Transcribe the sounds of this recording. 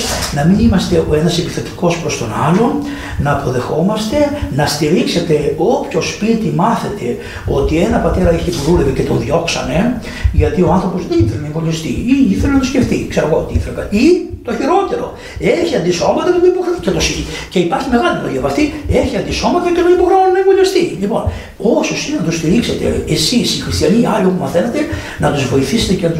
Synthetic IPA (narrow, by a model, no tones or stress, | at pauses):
nɐminimɐst̪e̞oenɐsepiθet̪i̥ko̞spɾo̞st̪o̞nɐlo̞n | nɐːpo̞ðe̞xo̞mɐst̪e̞nɐst̪iɾikse̞t̪e̞o̞pço̞spit̪imɐθe̞t̪e̞ | o̞t̪ie̞nɐpɐt̪e̞ɾɐeçit̪oðulevece̞t̪onðʝo̞ksɐne̞ | ʝɐt̪io̞ɐnθɾo̞po̞zðeniθelonɐeŋvonist̪ḭiiθelunɐt̪osce̞ft̪ikseɾoɣoot̪iiθɾepɐit̪o̞çiɾo̞t̪e̞ɾo̞ | e̞çiɐnd̪isomɐt̪ɐet̪oipoxɾɐicet̪osiice̞ipɐɾçime̞ɣɐlinɐ̰liɐvɐft̪ieçiɐnd̪iso̞mɐt̪ɐceðenipoɣɾonɐevoliɐst̪ilipo̞̰n | o̞sosinenɐt̪ust̪iɾikset̪e̞̰esisixɾist̪iɐniɐlio̞pumɐθenet̪e̞ | nɐt̪uzvo̞iθiset̪ecenɐt̪u